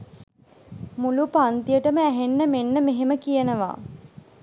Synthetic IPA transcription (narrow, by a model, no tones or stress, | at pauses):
mulupant̪ijəʈəməæɦenːəmenːəmeɦeməkijənəʋa̰ː